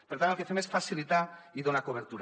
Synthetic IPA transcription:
peɾt̪anolkeθemesfasilit̪aiðonakoβ̞eɾt̪uɾ

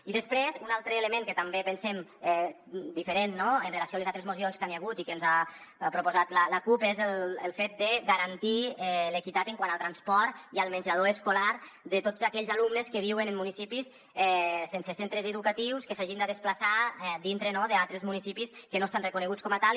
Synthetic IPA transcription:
iðəspɾezunalˠt̪ɾəːləmẽŋkət̪ambepənsɛmɛ | d̪ifəɾenːoənrelasioalezat̪ɾəzmusionskanjaɣut̪ikənzapɾupozat̪lələkupezələlˠfet̪̚d̪əɣaɾant̪iɛləkit̪at̪əŋkwanəlˠt̪ɾanspɔɾt̪iəlˠməɲʲd͡ʒað̞oəskolaɾ | ðət̪ot̪zakɛʎzalumnəskəβiwənəmːunisipis | ɛsensesent̪ɾəzəðukat̪iwskəsaʒind̪əðəsplasaɛd̪int̪ɾənoðəalˠt̪ɾəzmunisipiskənoest̪anrəkunəɣ̞ut͡skɔmət̪al

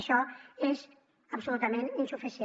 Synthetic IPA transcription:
ʃɔez | əbsulut̪amẽninsufisi

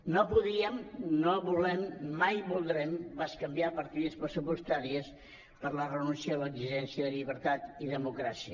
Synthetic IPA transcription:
nopuðiəmnoβulɛmːajbulˠd̪ɾɛmbaskəmbiapəɾt̪iðəspɾəsupust̪aɾiəs | pəɾlərənunsialəɡziʒɛnsiəðəʎiβəɾt̪at̪iðəmukɾasiə

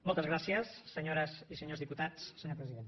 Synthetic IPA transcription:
mɔlˠt̪əzɣ̞ɾasiəsːəɲoɾəzisəɲozðiput̪at͡ssəɲoɾpɾəziðent̪

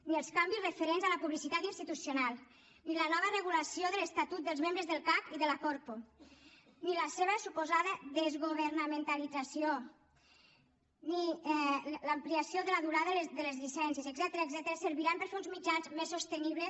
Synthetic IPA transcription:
niəlˠskambizrəfəɾenzaləpuβlisit̪at̪inst̪it̪usjonalˠ | nilənɔβərəɣ̞ulasioðələst̪at̪ut̪̚d̪əlˠzmembɾəzðəlˠkakiðəlakɔɾpo | niləseβ̞əsupuzaðəðəzɣuβəɾnamẽnt̪alid͡zasio | ni | lampliasjoðələðuɾaðəðələzʎisɛnsjiezeɡzɛt̪əɾəɡzɛt̪əɾəsəɾβiɾampəɾfeunzmid͡ʒanzmesːost̪əniβləs

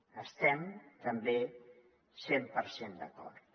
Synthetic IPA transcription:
əst̪ɛmt̪əmbe | sempəɾsend̪ə̰kɔ̰ɾt̪

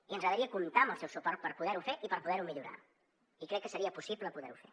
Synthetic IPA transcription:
iənzɣəðəɾiəkumt̪aməlˠsɛwsupɔɾt̪̚pəɾpuðɛɾufeʔipəɾpuðɛɾumiʎuɾa̰ | ikɾɛkːəsəɾiəpusipləpuðɛɾufḛ

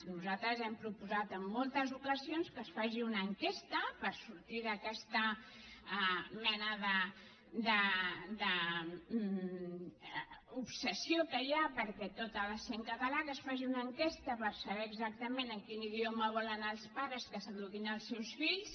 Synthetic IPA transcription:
nuzat̪ɾəzɛmpɾupuzat̪əmːolˠt̪əzukəzionskəsfaʒiunəŋkest̪əpəɾsuɾt̪iðəkɛst̪ə | mɛnəðə | d̪əd̪ə | upsəsiokəjapəɾkɛt̪ot̪ələseŋkət̪əlakəsfaʒiunəŋkest̪əpəɾsəβɛɾːɡzak̚t̪əmenəkiniðioməβ̞ɔlənəlˠspaɾəskəsəɣluɣinəlˠsɛwsfiʎs

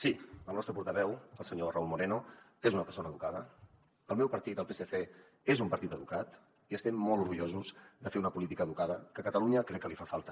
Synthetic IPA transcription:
silənɔst̪ɾəpuɾt̪əβɛwəlˠsəɲoraulˠmuɾeno | ezunəpəɾsonəːðukaðə | əlˠmɛwpəɾt̪it̪əlˠpeseθe | ezumpəɾt̪it̪əðukat̪ | iəst̪ɛmːoɔlˠuɾɣuʎozuzðəfeunəpulit̪ikəðukað̞əkəkət̪əluɲəkɾɛkːəlifafalˠt̪ə̥

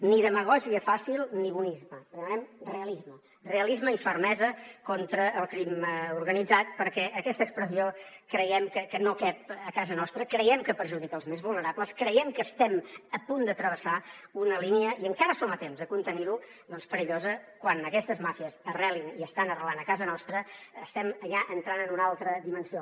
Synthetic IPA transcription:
niðəməɣ̞ɔziəfasilˠniβunizməðəmənɛmreəlizmə | reəlizməifəɾmɛzəkɔnt̪ɾəʔːlˠkɾimuɾɣənid͡zat̪̚pəɾkɛʔəkɛst̪əkspɾəsio | kɾəjɛmkəkənokap̚əkazənɔst̪ɾəkɾəjɛmkəpəɾʒuðikəlˠzmezβulˠnəɾapləskɾəjɛmkəst̪ɛməpund̪ət̪ɾəβəsaunəliniəiəŋkaɾəsomət̪emzəkunt̪əniɾu | d̪ɔnspəɾiʎozəkwanəkɛst̪əzmafiəzərɛliniəst̪anərəlanəkazənɔst̪ɾəːst̪ɛməʎaʔənt̪ɾanənunalˠt̪ɾəd̪imənsio

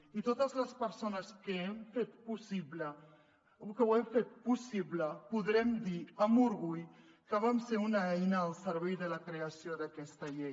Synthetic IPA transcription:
it̪ot̪əzləspəɾsonəskəɛmfet̪pusiβlə | ukəwɛmfet̪̚pusiβləpuðɾɛmd̪iəmuɾɣuʎ | kəβamseunaɛjnəːlˠsəɾβɛjðələkɾeəsioðəkɛst̪əʎej

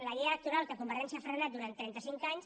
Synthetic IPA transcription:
ləɣiələk̚t̪uɾalˠkəkumbəɾɛnsiafɾənat̪̚d̪uɾant̪ːɾɛnt̪əsiŋkaɲs

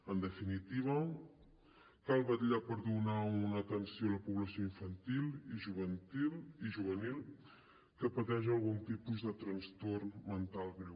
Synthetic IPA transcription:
ənd̪əfinit̪iβ̞ə | kalˠβəʎapəɾðunaunəːt̪ənsioləpuβləsioiɱfənt̪ilˠiʒuβənt̪ilˠiʒuβ̞ənilˠ | kəpət̪ɛʒəlˠɣunt̪ipuzðət̪ɾənst̪ormənt̪alˠɣɾew

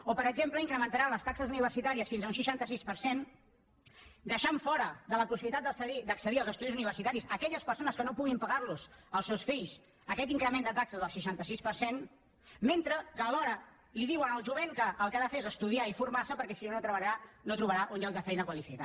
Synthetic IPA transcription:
opəɾəɡzempləiŋkɾəmənt̪aɾanləst̪aksəzuniβərsit̪aɾiəsfinzəunsiʃant̪əs̬ispəɾsen | d̪əʃaɱfɔɾəðələpusiβlit̪at̪d̪əsəɣid̪əksəðiəlzəst̪uðizuniβ̞ərsit̪aɾisəkɛʎəspəɾsonəskənopuɣimpəɣarluzəlˠsɛwsfiʎs | əkɛt̪iŋkɾəmend̪ət̪aksəzðəlˠsiʃant̪əsispərsen | ment̪ɾəkəːlɔɾə | liðiwənəlˠʒuβeŋkəʔːlˠkaðəfeɾezəst̪uðiaifuɾmarsəpəɾkɛsinonot̪ɾəβəʎaɾanot̪ɾuβəɾaʔonjalˠd̪əfɛjnəkwəlifika

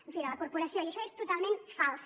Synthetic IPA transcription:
eɱfinalakoɾpoɾasjoniesoest̪ot̪almẽnt̪fals

